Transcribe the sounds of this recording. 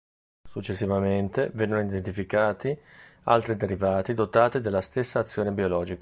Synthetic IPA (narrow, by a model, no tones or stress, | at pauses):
sut͡ʃːesːivament̪evɛnːenoid̪ent̪ifikaːt̪ia̰lt̪ɾid̪eɾivaːt̪id̪ot̪aːt̪id̪elːast̪esːaːt̪sːjoːnebiolɔːd͡ʒika